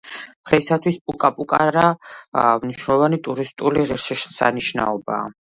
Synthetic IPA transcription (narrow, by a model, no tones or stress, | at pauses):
mχɛisat̪ʰwispʼukʼapʼukʼaɾa | mniʃnɛlˠɔvanit̪ʼuɾist̪ʼuliʁɛɾʃiʃsa̰niʃna̰ɔba̰ː